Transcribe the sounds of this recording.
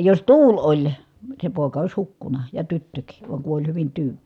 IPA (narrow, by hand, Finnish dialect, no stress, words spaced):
jos tuːlʲ olʲ se poˑi̯kɑ ois hukːunɑ jɑ tytːøkiː ʋɑ kun olʲ hyʋin tyːn̥